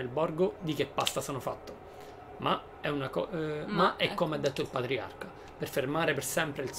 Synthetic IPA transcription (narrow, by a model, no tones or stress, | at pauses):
elbɔrɡod̪ik̟epːast̪asɔːnofat̪ːo | ma | ɛunakɔmaɛkːomeɛd̪ːet̪ːoilpat̪ɾia̰rka | perfermaːɾepersɛmpɾeils